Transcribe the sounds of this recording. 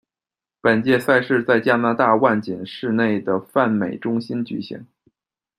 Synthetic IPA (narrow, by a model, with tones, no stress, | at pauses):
pə˨˩nt͡ɕjɛ˥˧sa˥˧ɪʂɻ̩˥˧t͡sa˥˧ɪt͡ɕja˥na˥t̪a˥˧wa˥˩nt͡ɕɛ˨˩nʂɻ̩˥˧ne˥˩ɪd̪ə˩fa˥˩nme˨˩ɪʈ͡ʂʊ˥ŋɕi˥nt͡ɕy̰˧˥ɕḭ˧˥ŋ